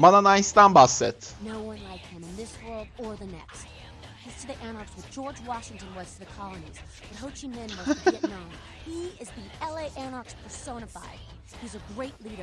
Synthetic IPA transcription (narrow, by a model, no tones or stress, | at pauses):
mʌnənãɪstãmbasɛt̪noʊwʌ̃nlaɪkhɨ̃mɨ̃nðɪswɜ˞lˠdə˞ðɨnɛ̰kst̚ | hɪstʰɨðiʔæñɑɹkswɨd̥d͡ʒɔɹd͡ʒwɑʃɪ̃ŋtɨ̃nwʌz̥tʰɨðɨkʰɑlˠəniz̥ | b̥ʌt̚ɦoʊt͡ʃimɪ̃nmʌnõʊ̃n | hiɪzðiɛlˠeɪʔænɑɹkspʰə˞sõʊ̃ñəfa̰ɪd̥̚ | hizɨɡɹeɪtˡliɾə